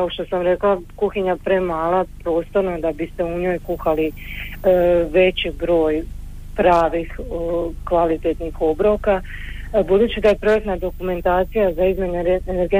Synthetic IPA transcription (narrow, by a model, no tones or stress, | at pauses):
kaoʃt̪o̞samɾe̞klakuxiɲapɾemaːlˠapɾo̞ːst̪o̞ɾnad̪abist̪e̞uɲo̞ːjkuxali | ʋe̞t͡ɕibɾo̞ːj | pɾaːʋixkʋalit̪et̪nixo̞bɾo̞ka | bud̪uːt͡ɕid̪ajepɾojet̪nad̪o̞kume̞nt̪aːt̪sijazaizme̞ɲeneɾɡe